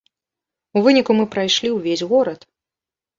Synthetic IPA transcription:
uvɨnʲikumɨpɾajʂlʲiwvʲesʲɣɔɾɐt̪

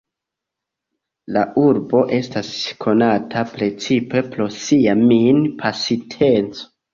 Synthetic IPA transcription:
laʔuɾbo̞ʔe̞staskʰo̞natʰapɾe̞t͡sipe̞pɾo̞siaminpʰasitʰe̞nt͡so̥

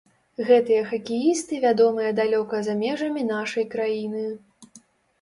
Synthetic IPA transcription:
ɣɛt̪ɨjɐxɐkʲijist̪ɨvʲad̪ɔmɨjɐd̪alʲɔkɐzamʲɛʐɐmʲinaʂɐjkɾajinɨ

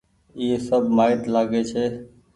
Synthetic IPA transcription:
iːesəbʱmaːɪt̪laːɡeːt͡ʃʰeː

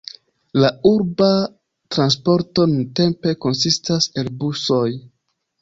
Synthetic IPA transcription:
lauɾba | tɾanspo̞ɾto̞nunte̞mpe̞ko̞nsistase̞lbuso̞j

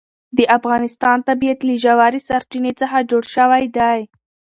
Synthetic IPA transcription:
d̪əʔafɣɑnɪst̪ɑnt̪abijat̪liʒawaɾisaɾt͡ʃinet͡səxad͡ʒoɽʃəwajd̪aj

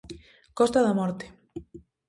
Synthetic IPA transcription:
kɔst̪aðamɔɾt̪e̥

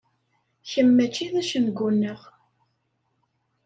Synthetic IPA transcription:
çəmːæt͡ʃːiðæʃənɡʷunːəʁ

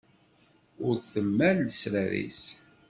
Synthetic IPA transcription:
ʊɾθəmːælːəsɾæɾḭs

